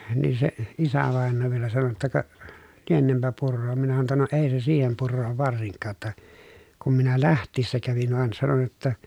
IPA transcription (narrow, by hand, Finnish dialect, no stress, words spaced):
niːn se isæʋɑˑenːoː ʋielæ sɑno jotːɑ kɑ lienempæ purːoːm minæ sɑno tːɑ no eˑi se siːhem purːoːʋ ʋɑrsiŋkːɑː tːɑ kum minæ læhtˑiːsːæ kæʋin ʋɑn sɑnon jotːɑ